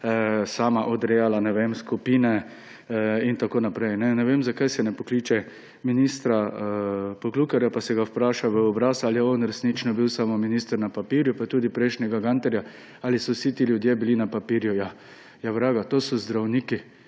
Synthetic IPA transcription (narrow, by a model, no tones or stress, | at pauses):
saːmaʔɔd̪ɾɛjalanɛʋemskupiːnɛ | int̪akoːnapɾɛjnɛnɛʋemzakajsɛnɛpɔklit͡ʃɛ | minist̪ɾa | pɔklukɛɾjapasɛɡawpɾaːʃaʋəɔbɾasalijɛɔnɾɛsnit͡ʃnɔbiwsamominist̪əɾnapapiːɾjʊpat̪uːd̪ipɾɛɪʃnʲɛɡaɡant̪ɛɾja | alisɔwsit̪iljʊd̪jebilinapapiːɾjʊja | jaʋɾaːɡat̪osɔzd̪ɾawniːki